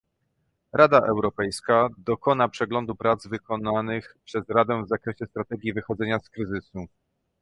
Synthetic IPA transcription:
ɾʔad̪aʔɛwɾɔpɛjskad̪ɔkɔnapʂɛɡlɔnd̪upɾad̪zvɘkɔnanɘxpʂɛzɾad̪ɛvzakɾɛɕɛst̪ɾat̪ɛɡʲjivɘxɔd̪zɛɲaskɾɘzɘsu

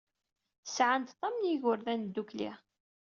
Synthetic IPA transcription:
sʕant̪t̪ˤːɑmnjiʝʊɾðænd̪ːuklḭ

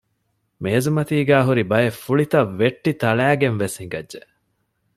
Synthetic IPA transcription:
meːzumɐt̪iːɡæːɦuɾibɐjefːuɭit̪ɐʋːeʈːit̪ɐɭæːɡenʋesiŋɡɐʒeʔ

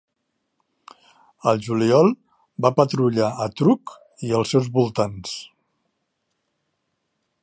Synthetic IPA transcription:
əlˠʒuliɔlˠ | bapət̪ɾuʎaət̪ɾuk | iəlˠsɛwzβulˠt̪ans

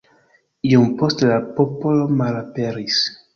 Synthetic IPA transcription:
iompostelapopolomalapeɾis

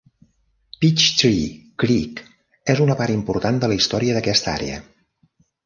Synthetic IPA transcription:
pit͡ʃt̪ɾiːɾik | ezunəpaɾimpuɾt̪and̪ələist̪ɔɾiəðəkɛst̪a̰ɾḛə̰

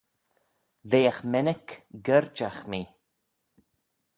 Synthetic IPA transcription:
ðeːaxmɛnəkɡəɾd͡ʒaxmiː

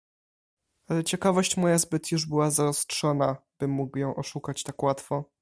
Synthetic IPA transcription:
alɛt͡ɕɛkavɔɕt͡ɕmɔjazbɘt̪juʐbɘwazaɾɔstʂɔnab̥ɘmːuɡwjɔ̃w̃ʔɔʂukat͡ɕt̪akwat̪fɔ

